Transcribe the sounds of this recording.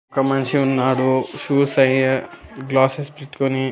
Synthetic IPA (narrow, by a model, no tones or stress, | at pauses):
ɔkɐmɐnt͡ʃiunːaːɽuʃuːsɐj | ɡlaːsespiʈ̪koni